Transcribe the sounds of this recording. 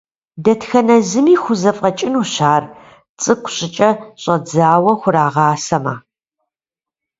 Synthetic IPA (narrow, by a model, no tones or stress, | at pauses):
dɐtxɐnɐzɨmiːxʷʊzɐfʼɐt͡ʃʼɪnuɕaːr | t͡sʼɨkʷʊɕʼɪt͡ʃʼɐɕʼɐd͡zaːwɐxʷʊɾaːʁɑːsɐma̰ː